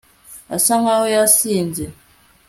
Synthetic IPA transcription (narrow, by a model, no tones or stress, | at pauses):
a̰saŋawjasind͡zi